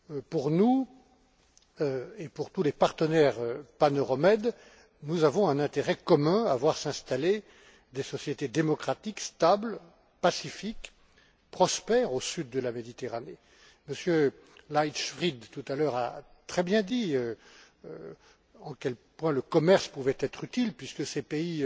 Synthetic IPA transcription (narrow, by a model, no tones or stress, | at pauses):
puʁnu | øepuʁt̪ulepaʁt̪ənɛʁøpanɔʁɔmɛd̪ | nuzavɔ̃ɛ̃nɛ̃t̪eʁɛkɔmɛ̃avwaʁsɛ̃st̪ale | d̪esɔsjet̪ed̪emɔkχat̪ikst̪abl | pasifik | pχɔspɛʁosyd̪ːəlamed̪it̪eʁane | məsjø | lajt̪ʃfχid̪t̪ut̪alœʁa̰t̪χɛbjɛ̃d̪iø | ɑ̃kʲɛlpwɛ̃ləkɔmɛʁspuvɛt̪ɛt̪χyt̪ilpɥiskəsepei